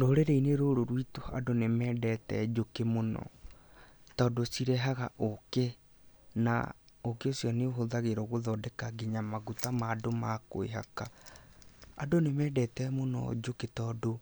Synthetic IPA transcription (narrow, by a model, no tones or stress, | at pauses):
ɾoːɾeɾeineɾoɾoɾwitoa̰donemɛːdɛtɛ̰d͡ʒokemonɔ̰ | tɔːdosiɾɛɦaɣaʔoke | na̰okeosijɔneoɦoðaɣeɾɔɣoðɔːdɛkaɡiɲamaɣutamaːdomako̰ḛɦa̰ka | adonemɛːdɛtɛmonɔ̰d͡ʒoketɔːdo